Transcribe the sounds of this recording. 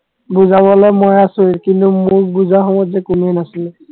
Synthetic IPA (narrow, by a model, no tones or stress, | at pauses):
buzabɔlɔjmɔjasuɹkintumʊɹbuzaɦɔbɔzɛkunɛnasil